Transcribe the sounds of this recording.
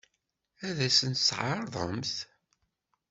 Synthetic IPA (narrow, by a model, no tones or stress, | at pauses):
æðæsənt̪sʕɑɾˤðˤə̰mθ